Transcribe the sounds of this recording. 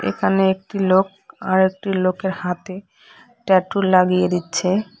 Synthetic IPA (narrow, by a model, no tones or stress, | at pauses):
ḛkʰaneek̚ʈilok̚ | aɾek̚ʈilokeɾhat̪e | ʈɛʈuɾlaɡijed̪itːɕʰe